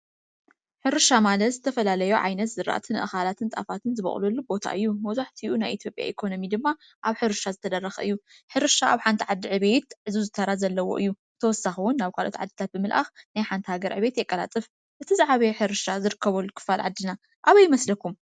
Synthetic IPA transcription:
ħɨɾɨʃamalɐt̪zɨt̪ʰɐfɐlalɐjoʕa̰jnɐt̪z̥ɨɾa̰ʔt̪ʰɨnɨʔɨxalat̪ʰɨnt̪ʼa̰fat̪ʰɨnzɨβɐ̰χʼlulːubo̞t̪ʰa̰ʔɨjːumɐwzaħt̪ʰiʔunajʔit̪ʰjo̞pʼja̰ʔikʰo̞no̞mid̪ɨmːa | ʔaβħɨɾɨʃazɨt̪ʰɐd̪ɐrːɐxʔɨ̰jːu | ħɨɾɨʃaʔaβħant̪ʰiʕad̪ːiʕɨβe̞t̪̚ʕɨzuzɨt̪ʰɐɾazɐlːɐwo̞̰ʔɨjːu | t̪ʰɐwɔsːaxɨwʊnːaβkʰalʔo̞t̪ʕa̰d̪ːit̪ʰat̪̚bɨmɨlʔa̰xnajħant̪ʰihaɡɐɾʕɨ̰βe̞t̪jɛkʼːɐla̰t͡sʼɨf | ʔɨt̪ʰizaʕaβɐjħɨɾɨʃazɨɾɨkːɐβɐlːukʰɨ̥fːalʕa̰d̪ːina | ʔaβɐjɪmɐslɐkʰum

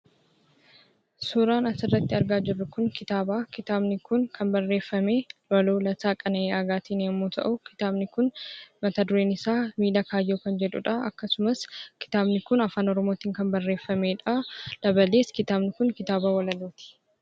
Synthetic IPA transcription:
sʊɾaːnɐsɪrːɐt̪ːɪɐɾɡaːd͡ʒɪrːʊkʊŋkɪt̪aːbaːkɪt̪aːbnɪkʊnkʰɐnbɐrːe̞ːfːɐmeːlɔloːlɐsaːkʼɐnɐʔeːɐɡaːt̪iːneːmːuːt̪ʰɐ̰ʔʊkɪ̥t̪aːbnɪkʊnmɐt̪ad̪ʊɾeːnɪsaːmiːlɐkaːjːoːkɐnd͡ʒɛᶑʊ̰ᶑɐɐkːɐsʊmɐskɪ̥t̪aːbnɪkʊnɐfaːnɔɾɔmo̞ːt̪iːŋkɐmbɐrːe̞ːfːɐmeːᶑɐd̪̥ɐbɐleːskɪt̪aːbnɪkʊŋkɪt̪aːbaːwɐlɐloːt̪ɪ̥

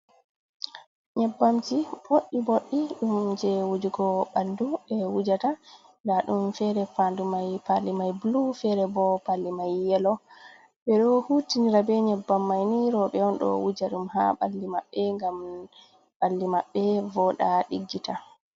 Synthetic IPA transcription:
ɲɛbːamtiboɗiboɗːiɗumd͡ʒɛwud͡ʒuɡɔɓanduɓɛwud͡ʒata | laɗumfɛɾɛpandumajpalːimajbulufɛɾɛbɔpalːimajːɛlɔ | ɓɛɗɔhutiniɾabɛɲɛbːamːajniɾɔɓɛɔnɗɔ̰wud͡ʒaɗumɦa̰ɓa̰lːimaɓːɛŋɡam | ɓalːimaɓːɛvɔɗaɗiɡːita

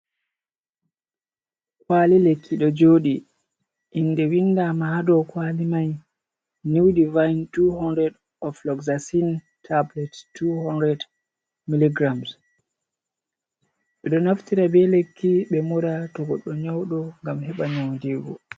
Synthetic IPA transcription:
kwaːlilekʰːiɗɔd͡ʒoːɗi | ʔinːdɛwinːdamadɔkwalimaj | niwdivajntuhɔndɾɛd | ɔflɔkzasin | tʰablɛttːuhɔndɾɛd | miliɡɾams | ɗɛɗɔnaftiɾabɛlekʰːiɓɛmuɾatɔɡɔɗːɔɲawɗɔŋɡamhɛɓaɲawndiːɡɔ̰

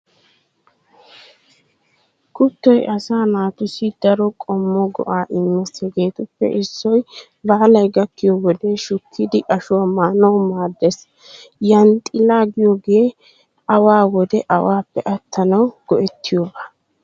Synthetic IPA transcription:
kʊt̪ːɔjʔɐsaːnaːt̪ʊsɪd̪ɐɾɔkʼɔmːɔɡɔ̰ʔaːʔɪmːɛsɛɡe̞ːt̪ʊpːɛ̰ʔɪsːɔj | baːlɐjɡɐkːɪjɔwɔd̪eʃʊkʰːɪd̪ɪʔɐʃʊwamaːnɐwmaːd̪ːɛs | jɐnt̪ʼɪlaːɡɪjoɡeː | ʔɐwaːwɔd̪ɛʔɐwaːpːɛʔɐt̪ːɐnɐwɡ̥ɔʔɛt̪ːɪjoːbaː

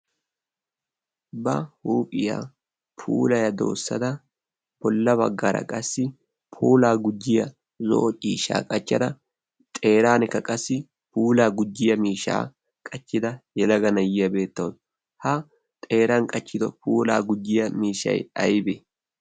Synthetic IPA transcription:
bɐhuːpʼɪja̰ː | pʰṵːlɐjɐd̪o̰ːsːɐd̪ɐ | b̥ɔlːɐbɐɡːɐɾɐ̰kʼɐsːɪ | pʰuːlaːɡʊd͡ʒːɪjɐ | zo̰ʔɔt͡ʃʼiːʃa̰ːkʼɐt͡ʃːɐd̪ɐ | t̪ʼe̞ːɾaːnɪkːɐkʼɐsːɪ | puːlaːɡʊd͡ʒːɪjɐmiːʃa̰ː | kʼɐt͡ʃːɪd̪ɐjɛlɐɡɐnɐjɪjɐbe̞ːt̪ːɐwd̪ | hɐ | t̪ʼe̞ːɾɐnkʼɐt͡ʃːɪd̪ɔpʰuːla̰ːɡʊd͡ʒːɪjɐmiːʃɐ̰jɐjbe

